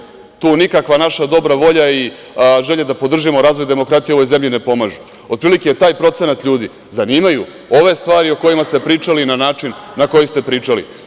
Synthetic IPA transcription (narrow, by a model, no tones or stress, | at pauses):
t̪uːnikakʋanaʃad̪o̞bɾaʋo̞ʎai | ʒe̞ʎed̪apo̞d̪r̩ʒimo̞ɾaːzʋo̞jd̪e̞mo̞kɾat̪ijeo̞ʋo̞jze̞mʎine̞po̞maʒu | o̞d̪pɾiːlikejet̪aːjpɾo̞t̪se̞nat̪ʎʲuːd̪i | zaniːmaju | o̞ʋe̞st̪ʋaːɾioko̞jimast̪e̞pɾiːt͡ʃalinanaːt͡ʃinːako̞jist̪e̞pɾiːt͡ʃalḭ